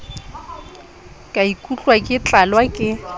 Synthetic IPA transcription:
kʼaikʼut͡ɬʼwakʼɪt͡ɬʼalwakʼɪ

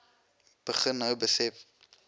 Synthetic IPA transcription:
b̥əχənːəwbəsɛf

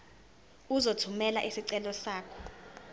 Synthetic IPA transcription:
uzotʰumɛla̰ʔesiǀɛlɔsaːkʰɔ̥

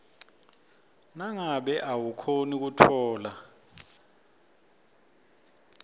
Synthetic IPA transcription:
naŋaɓɛʔawukʰonik̬utʰɔːla

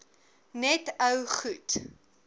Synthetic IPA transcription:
nɛtəwχut

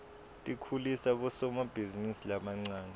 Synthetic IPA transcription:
tʼikʰulisaɓɔsɔmab̥ʱizinisilamaŋ͡ǀaːna

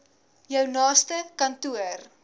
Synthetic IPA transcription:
jœwnɑːstəkɐntuər

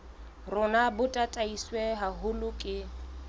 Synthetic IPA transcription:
rʊnabʊtʼatʼaiswɛɦaɦʊlʊkʼɪ

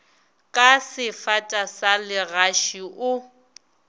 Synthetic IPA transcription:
kʼasɪfatʼasalɪɣaʃiʔʊ

